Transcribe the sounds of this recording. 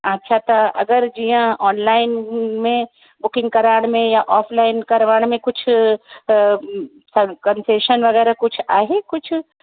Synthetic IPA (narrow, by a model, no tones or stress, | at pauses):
ɐtːʃʰat̪ɐɐ̰ɡəɾd͡ʒijãɔːnlaːɪnmẽ | bʊkɪ̃ŋɡ̚kɐɾaːɽ̃mẽjaʔɔːpʰlaːɪnkɐɾʋaːɽ̃mẽkʊt͡ʃʰ | sɐkɐnseːʃənʋɐɣɛːɾakʊt͡ʃʰaːɦekʊt͡ʃʰ